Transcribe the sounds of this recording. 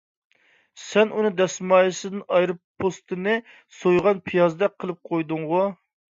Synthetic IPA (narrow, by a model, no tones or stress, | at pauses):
sɛnunɨd̪ɛsmɑːjisɨd̪ɨnɑjɾɨpʰːost̪ʰɨnɨ | sojʁɑnpʰijɑzd̪ɛqʰːəlˠɨp̚qʰojd̪ʊŋʁu